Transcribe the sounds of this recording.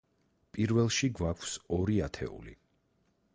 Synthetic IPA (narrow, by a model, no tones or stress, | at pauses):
pʼiɾvɛlˠʃiɡwakʰsɔɾiat̪ʰɛ̰ṵlḭ